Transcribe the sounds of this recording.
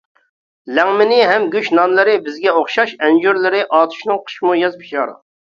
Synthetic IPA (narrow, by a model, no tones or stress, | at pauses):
lɛŋmɪnɪɦɛmɡʲyʃnɑnlˠɨɾɨbɪzɡʲɛoχʃɑʃɛnd͡ʒuɾlˠɨɾɪʔɑːt̪ʰu̥ʃnɨŋqʰə̥ʃmujɑzpʰi̥ʃɑːɾɨ̰